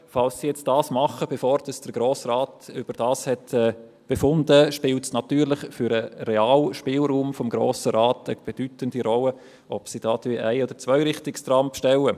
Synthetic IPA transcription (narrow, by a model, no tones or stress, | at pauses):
fɑlsːijɛt͡st̚d̥ɑːsmɑχəb̥efoːɾdɑsd̥əɾɡ̥ɾoːsraːtʏb̥əɾd̥ɑːshɛtɛː | b̥efʊndəʃpɪːltsnɑt̪yːɾlɪχfʏɾəɾeaːlʃpɪːlɾuːmfɔmɡɾo̰ːsəɾaːtəb̥ed̥ytəndiɾɔlə | ʔɔb̥sid̥ɑːtiʔæɪɔd̥əɾt͡svœʏɾɪχtɪkst̪ɾɑmpʃtɛlə